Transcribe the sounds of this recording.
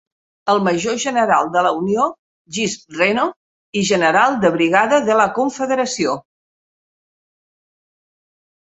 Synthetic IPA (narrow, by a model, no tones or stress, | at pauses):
əlˠməʒoʒənəɾalˠd̪ələunio | ʒispreno | iʒənəɾalˠd̪əβɾiɣaðəðələkuɱfəðəɾəsio